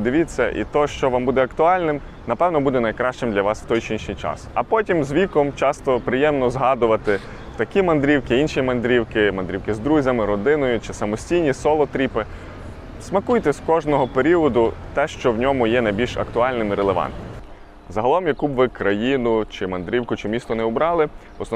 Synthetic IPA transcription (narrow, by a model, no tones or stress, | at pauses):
d̪ɪʋʲit͡sʲːɐ̰ʔḭt̪ɔʃt͡ʃɔʋɑmbud̪ɛɐkt̪ʊɑlʲnɪm | nɐpɛwnɔbud̪ɛnɐjkɾɑʃt͡ʃɪmd̪lʲɐʋɑsʋ̥t̪ɔjt͡ʃinʃijt͡ʃɑ̰sɐpɔtʲimzʋʲikɔmt͡ʃɑst̪ɔpɾɪjɛmnɔzɦɑd̪ʊʋɐt̪ɪ | t̪ɐkʲimɐnd̪ɾʲiwkɪinʃijimɐnd̪ɾʲiwkɪmɐnd̪ɾʲiwkɪzd̪ɾuzʲɐmɪɾɔd̪ɪnɔjʊt͡ʃɪsɐmɔsʲtʲijnʲisɔlˠɔt̪ɾʲipɪ | smɐkujt̪ɛsʲkɔʒnɔɦɔpeɾʲiɔd̪ʊt̪ɛʃt͡ʃɔwnʲɔmʊjɛnɐjbʲilʲʃɐ̰kt̪ʊɑlʲnɪmiɾelˠeʋɑ̰nt̪̚nɪm | zɐɦɐlˠɔmjɐkubʋɪkɾɐjinʊt͡ʃɪmɐnd̪ɾʲiwkʊt͡ʃɪmʲist̪ɔnɛʊbɾɑlˠɪ | ɔs